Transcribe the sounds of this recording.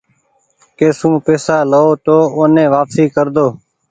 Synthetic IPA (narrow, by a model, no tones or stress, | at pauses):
keːsũːpeːsaːləoːt̪oːoːnẽːʋaːpsiːkəɾd̪oː